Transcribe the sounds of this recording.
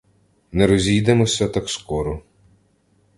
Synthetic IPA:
nɛɾɔzʲijd̪emɔsʲɐt̪ɐkskɔɾɔ

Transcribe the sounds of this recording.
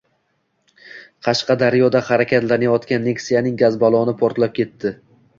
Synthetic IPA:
qʰɑʃqʰɑd̪aɾjɒd̪ahaɾakʲʰat̪laɾnɪjɒt̪kʲanːeksijanɪŋɡazbɒlˠɒnɪpʰoɾt̪lap̚kʲʰe̞t̪ːɪ

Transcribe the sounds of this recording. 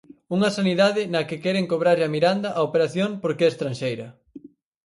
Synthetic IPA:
uŋɐsaniðaðɪnɐkɪkɛɾeŋkoβɾaɾʎɐmiɾand̪ɐʔaopeɾaθjoŋpoɾkeɛest̪ɾanʃejɾɐ

